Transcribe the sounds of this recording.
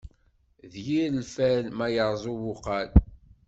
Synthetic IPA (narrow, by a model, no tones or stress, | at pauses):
ðjiɾlfælmæjəɾˤzˤuwʊqɑl